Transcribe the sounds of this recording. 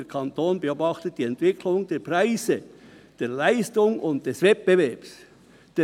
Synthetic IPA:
ekʰɑntoːnbeoːbɑχtət̚d̥iːɛntv̥ɪkʰlʊŋdeːɐpʁaɪzə | d̥eːɐlaɪstʊŋʊnt̚d̥ɛsvɛt̚b̥evɛɐps | d̥eː

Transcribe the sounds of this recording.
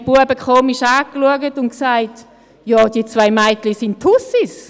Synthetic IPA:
b̥uəbəkχoːmiʃaːkluəɡətʊnksaɪt | jɑːd̥iːət͡svaɪmaɪtlisɪnttʰhusis

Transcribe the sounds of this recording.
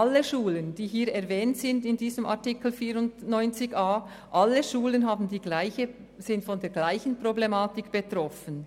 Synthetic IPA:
ʔalːəʃuːlənd̥iːɦiːɾɛɐʁvɛːntz̥ɪndɪndiːzəmʔa̰ʁtikl̩fiːɾʊntnɔʏnt͡sɪçʔaː | ʔalːəʃuːlənɦaːbn̩diːɡlaɪçə | z̥ɪntfɔndeːɐɡ̥laɪçən̩pʁ̥oblemaːtɪkb̥etʁɔfən

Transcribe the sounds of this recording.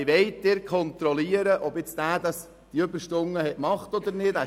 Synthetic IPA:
ɪʋɛɪtd̥ɪɾkʰχɔnt̪ɾɔliəɾəʔɔbɪt͡sd̥æːd̥ɑs | d̥iøbəɾʃtʊŋːəhɛtmɑχtɔd̪əɾnɪdæ

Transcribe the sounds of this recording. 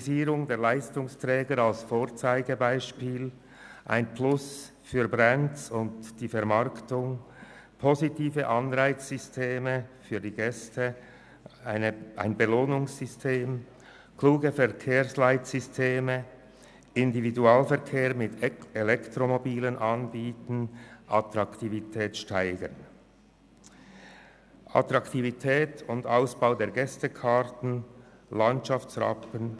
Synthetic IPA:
ziːʁʊŋdeːɐlaɪstʊŋstʁɛːɡəɾalsfoːɐt͡saɪɡəbaɪʃpiːl | ʔa̰ɪnpʰlʊs | fyːɐbʁansʊntd̥iːfɛʁmɑɐktʊŋ | pʰozitʰiːvəʔɑnʁaɪt͡sz̥ʏstʰeːməfyːdiːɡɛstʰə | aɪnəʔa̰ɪnbəloːnʊŋsːʏstʰeːm | kluːɡəfɛʁkʰeːɐslaɪtsʏstʰeːmə | ɪndividuaːlfɛɐʁkʰeːʁmɪtʰelɛktʁomobiːlənʔɑnbiːtən̩ʔat̪ʁɑktivitʰɛːtʃtaɪɡ̥ə̰n | ʔa̰tɾʁɑktivitʰɛːtʊndaʊsb̥aʊdeːɐɡɛstəkʰaʁtn̩ | lɑntt͡ʃɑft͡sʁɑ̰pən

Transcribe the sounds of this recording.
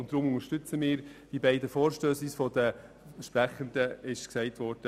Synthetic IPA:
ʊntd̥̪ɾʊmʊŋəɾʃtʏt͡səmɪːɾd̥ibɛɪdəfɔːɾʃtøːsisfɔdə | ʃpræχəndəɪʃksɛɪtʋɔɾd̥ə

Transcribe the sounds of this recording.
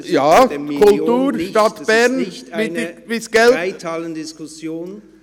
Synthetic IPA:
jɑːkʰʊltuːɾʃtɑt̪b̥ɛɾnɪʋɪsɡ̥ɛlləndɪskʊsjoːn

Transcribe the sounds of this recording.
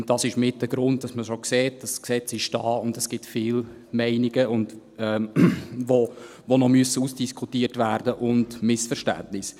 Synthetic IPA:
ʊnt̚d̥ɑsɪʃmɪt̚dəɡɾʊnd̚dɑsməʃokseːt̚d̥ɑsksɛt͡sɪʃd̥ɑːʊndɛsɡ̥ɪtfɪːl | mɛɪnɪɡəʊnd | ɛ | vo | vonɔmyəsːəusd̥iskʰutiːərtvæːɾd̥əʔʊndmɪsfəɾʃtæ̰ndnɪs

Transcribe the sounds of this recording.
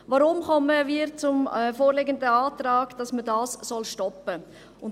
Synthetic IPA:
ʋaɾʊmχɔməviːɾt͡sʊmfoːɾleɡəndəɑːtɾɑːɡ̥d̥ɑsmədɑːssɔlʃtɔpə | ʊn

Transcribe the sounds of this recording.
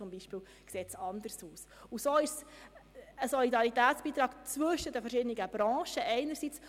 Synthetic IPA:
ʊmbiʃpiːl | kseːtsɑnd̪əɾsuːs | usoːɪʃs | əsɔlidɑɾit̪æːtt͡sb̥iːt̪ɾɑːɡt͡sʋɵʃədəfɛɾʃɪdəniɡəb̥ɾɑ̃ːʃəʔɛɪnəɾsit͡s

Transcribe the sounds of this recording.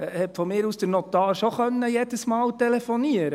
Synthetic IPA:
hɛpfɔmɪːɾuːsd̥̪əɾnɔt̪ɑːɾʃɔχœnːəjɛdəsmɑːwtɛlefɔniəɾə

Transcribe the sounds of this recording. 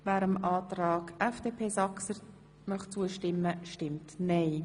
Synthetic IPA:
væːɾəmʔɑːtɾɑːɡɛfd̥eːpʰeːsɑksə | mœχt͡suəʃtɪmːəʃtɪmtnɛɪ

